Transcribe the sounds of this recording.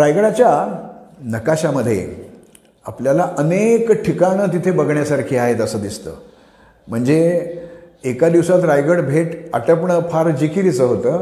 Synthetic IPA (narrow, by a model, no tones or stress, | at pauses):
ɾajɡəɽat͡ɕja | nəkaɕaməd̪ʱːjḛ | a̰pljalaʔənekʈʰikañət̪it̪ʰebəɡɳjasaɾkʰiːaɦet̪əsəːd̪ist̪ə̰ː | m̤əɳd͡zeː | kad̪iʋsat̪ɾajɡəɽbʱeʈaʈəpɳəpʰaɾd͡ʑikiɾit͡səɦot̪əː